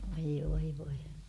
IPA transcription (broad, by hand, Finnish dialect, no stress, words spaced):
ʋoi ʋoi ʋoi